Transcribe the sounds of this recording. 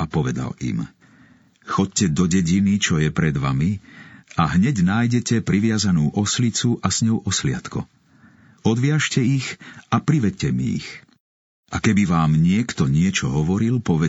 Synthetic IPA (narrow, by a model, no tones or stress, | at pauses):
apɔʋɛd̪a̰lḭm | xɔccɛd̪ɔɟɛɟinit͡ʃɔjɛpɾɛd̪ʋamiaɦɲɛɟnaːjɟɛcɛpɾiʋɪazanuːʔɔslit͡suʔasɲɔʊʔɔslɪa̰t̪kɔ̰ | ɔd̪ʋɪaʃcɛixapɾiʋɛc̚cɛmḭːx | ʔakɛbiʋaːmɲɪɛkt̪ɔɲɪɛt͡ʃɔɦɔʋɔɾilpɔʋɛ